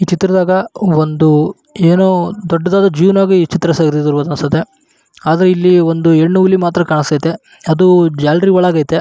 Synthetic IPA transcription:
iːt͡ʃit̪ɾɐd̪aːɡɐond̪u | eːnoːd̪ɔɖːɐd̪aːd̪ɐd͡ʒiːʋnaːɡit͡ʃit̪ɾɐsaːɡiɾid̪uɾʋɐd̪ɐnst̪ɐt̪ːe | aːd̪ɐɾeilːiond̪ueɳːuulimaːt̪ɾɐkaːɳɐsɐjt̪e | ɐd̪ud͡ʒaːlɾiʋɐɭaːɡaːjt̪e

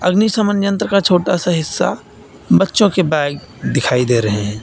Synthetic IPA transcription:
ɐ̰ɡnisɐmənjə̃nt̪ɾkat͡ʃʰoːʈasaɦɪsːa̰ | bɐtːʃõkebɛːɪɡ | d̪ɪkʰaːid̪eːɾɐɦẽɦɛ̃ː

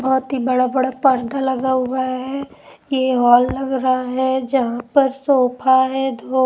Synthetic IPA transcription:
bɔɦʊt̪ɦibɐɽabɐɽapɐɾd̪ʱalɐɡaɦʊaɦɛː | jeɦɔːlːɐɡɾɐɦaɦɛd͡ʒɐɦãpɐɾsoːpʰaɦɛd̪ʱo

